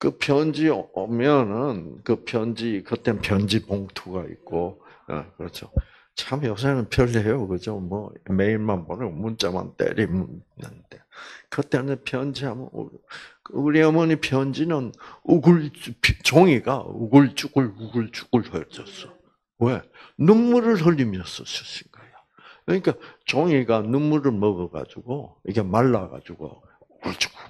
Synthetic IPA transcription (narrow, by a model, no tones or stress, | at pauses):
kɯpjʌnd͡ʑiʌmjʌnɯnkɯpʰjʌnd͡ʑikɯt͈enɯnpjʌnd͡ʑipoŋtʰuɡaḭk̚k͈o | ḛkɯɾʌt͡ɕʰo | t͡ɕamjʌs̬ʰanɯnpʰjʌɭːiɦejokɯd͡ʑomwʌme̞iɭmanpʌnɯɡomunt͡ɕ͈ama̰nt͈ḛɾimunːa̰ntekɯt͈enɯpʰjʌnd͡ʑiɦamʌnṵkuɾiʌmʌnipʰjʌnd͡ʑinɯnuɡuɭpt͡ɕoŋiɡa̰ṵɡɯɭt͡ɕ͈ʼuɡɯɭuɡuɭt͡ɕu̥ɡ͈ɯɭhʰʌd͡ʑʌs͈ʌ | wenumːuɾɯɭhʌʎːimjʌs͈ʌɕʌs͈ʰinɡajo | kɯɲik͈at͡ɕoŋiɡanumːuɾɯɭmʌɡʌɡa̰d͡ʑuɡoiɡe̞maɭːaɡa̰d͡ʑuɡo̰ | uɡuɭt͡ɕ͈u̥ku